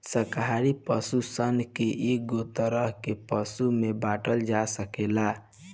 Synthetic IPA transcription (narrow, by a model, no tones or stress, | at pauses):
səɾkɦaɾipəsusənkeʔeɡot̪əɾəɦkepəsumebaʈəld͡ʒasəkela